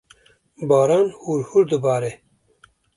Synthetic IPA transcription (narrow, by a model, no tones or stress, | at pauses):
bɑːɾɑːnhuɾhuɾd̪ɨbɑːɾe